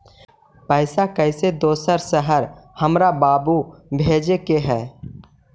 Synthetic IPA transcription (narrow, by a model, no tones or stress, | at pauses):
pəɪsakəɪsed̪oːsəɾsəɦəɾhəmɾabaːbubʱeːd͡ʒekeɦɛː